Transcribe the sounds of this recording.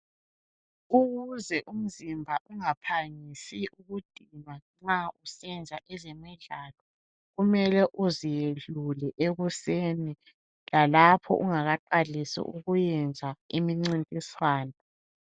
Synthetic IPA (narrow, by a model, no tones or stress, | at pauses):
uɣuzɛʔum̩zimbʱaʔuŋapʰaŋisiʔuɣud̥ʱimaŋ͡ǁausɛnd͡zʱaʔɛzɛmiɮaːlɔ | ɣumɛlɛʔuzijeɮulɛʔeɣuseːni | lalapʰɔ̰ʔuŋaɣaǃalisḭʔuɣujɛnd͡zʱaimiŋ͡ǀintʼiswaːna